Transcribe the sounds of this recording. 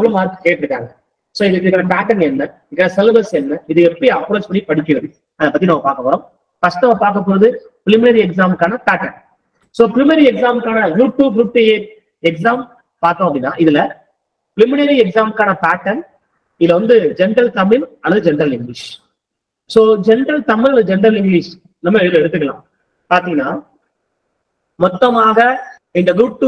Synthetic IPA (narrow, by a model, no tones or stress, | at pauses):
ʋɐlɐ̃maːɾɯkːɯ̥keːʈːɪɾɯkːaːŋɡɐ | soːɪðɯkːɪɯkːaːnɐpaːʈɐnɛnːɐðkːaːnɐsɛlbɐɾsɛnːɐɪðɯɛpːɐɽiɐpːɾoːt͡ʃpɐɳːipɐɽɪkːɐʋɐðɯ | ɐðɐpːɐt̪ːinɐmːɐpaːɾkɐpɔːɾõː | kɐsʈɐmapaːɾk̬ɐp̬ːoːɐðɯpɪlɪmɪnɐɾiɛks̬aːmkaːnɐpaːʈɐɳ | soːpɪlɪmɐɾiɛksaːmkaːnɐjuːʈjuːbɾuʈːeeː | ɛksaːm | paːɾt̪õːɐpːɐɽɪnːa̰ːʔɪðɪlɐ | pɪlɪmɪnɐɾiɛksaːmkaːnɐpaːʈːɐn | ɪðɪlːɐʋɐnd̪ɯd͡ʒɛnɖɾɐlt̪ɐmːɪlɐlːɐðɯd͡ʒɛnɾɐlɪŋɡlɪːʂ | soːd͡ʒɛnɖɾɐlt̪ɐmɪlɐnd̪ɯd͡ʒɛnɖɾɐlɪŋɡɭiːʂ | nɐmːɐɛðɯlɛɽɯt̪̬ːɯk̬ːɐlã̰ː | paːɾt̪ĩŋɡɐnːaː | mɔt̪ːɐmaːɣɐ | ɪnd̪ɐɡʊɖ̚ʈːu